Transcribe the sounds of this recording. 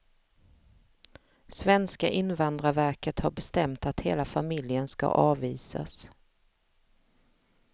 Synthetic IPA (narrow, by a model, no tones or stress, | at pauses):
svɛnskaʔɪnvand̪ɾavæɾkət̪haɾbɛst̪ɛmt̪at̪heːlafamɪljənska̰ʔɑːviːsa̰s